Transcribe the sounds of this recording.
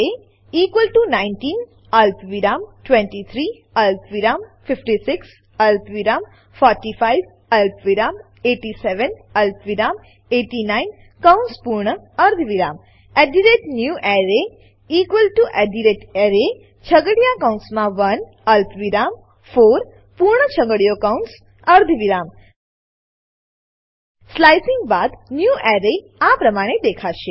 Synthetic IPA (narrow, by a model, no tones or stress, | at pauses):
e | iːkʋəlʈunaɪnʈiːn | ɐlpʋiɾaːmʈʋɛ̃ɳʈit̪ʰɾiː | ɐlpʋiɾaːmfɪfʈisɪks | ɐlpʋiɾaːm | fɔːɾʈifajʋ | ɐlpʋiɾaːm | eːʈisɛʋənɐlpʋiɾaːm | eːʈinaːɪn | kaʊ̃nspuɾɳə | ɐɾd̪ʱʋiɾaːm | ɛɖiɾeʈnjuʔɛɾe | ikʋəlʈuʔɛɖiɾeʈeɾe | t͡ʃʰəɡəɽijakaw̃nsmãʋən | əlpʋiɾam | foɾ | puɾɳət͡ʃʰəɡəɽijokaũns | əɾd̪ʱʋiɾam | slajsɪ̃ŋɡbad̪njuʔɛɾe | apɾəmaɽ̃ed̪ekʰaʃe